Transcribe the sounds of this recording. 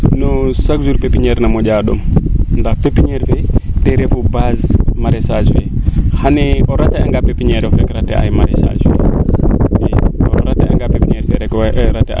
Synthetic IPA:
nosakzuɾpepiɲeɾnamoɟaɗo̰mndahpepiɲeɾfeteɾefubazmaɾesaswehaneoɾateaŋɡapepiɲeɾofɾekɾatḛʔa̰jmaɾesa̰swḛ | jeo̰ɾatea̰ŋɡapepiɲeɾfeɾeɾatḛ

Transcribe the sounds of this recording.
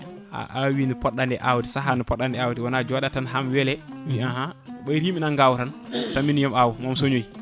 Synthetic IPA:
a̰ʔawinipɔɗːandɛʔawuti̥saɦanipɔɗːandɛawudiwanad͡ʒuwaɗatanɦamwɛlɛwiaɦaɓɔjɾiminanɡawuɾantamːinjɔmawumamsoɲoj

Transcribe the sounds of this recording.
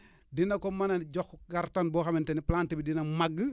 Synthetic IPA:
dinɐkomananɟoxɡaɾtanboxaminteniplantibidinɐmaɡ

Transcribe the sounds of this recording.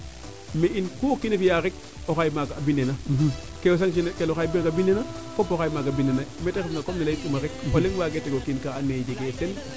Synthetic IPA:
meʔinkuokinefijaɾik̚ | oxajmakabinena | kewos̬aŋʃ̬inkeloxajbimakabinena | kopoxajmakabinenametexŋɡakomnilajikumaɾik̚oleŋwaɡeteɡokinkaaned͡ʒeɡeten

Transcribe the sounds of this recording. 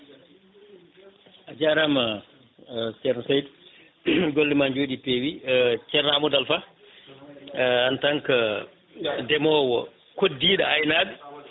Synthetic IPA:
ʔad͡ʒaɾama | sɛɾnsajd | ɡolːɛmand͡ʒoːɗipewit͡ʃɛɾamɔdalfa | antaŋka | dɛmɔːwɔ̰ | kodːiːɗaajnaɗ

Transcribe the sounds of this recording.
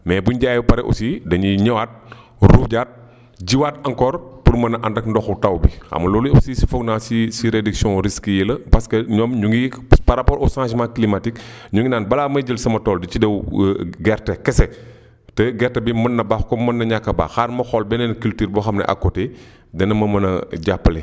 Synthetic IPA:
mɛːbuɲɟajupɐɾɛʔṵsidɐɲiɲɛwat̚ | ruɟaːt̚ | ɟiwaːtɐŋkɔːrpuɾmɐnɐʔɐndɐkndɔxutɐwbiɐ̰mɐlɔːluɐpsisi̥fɔɡnaːsisiɾediksijɔ̃ɾiskəjilɐpɐskɐɲɔmɲuŋɡipaɾapɔɾʔɔsãːs̬mãklimatik | ɲuŋɡinaːnbɐlaːmɐjd͡ʒəlsɐmɐtɔːldicidɛwɡɛrtɛkɛsɛ | tɛɡɛrtɐbimɐnːɐbaxkɔmɐnːɐɲakːɐba̰ːxaːrmɐxɔlbɛnɛnkultiːɾbɔxɐmnɐ̰ʔɐ̰kːɔtɛ | dɐnɐmɐmɐnɐɟapːɐlɛ

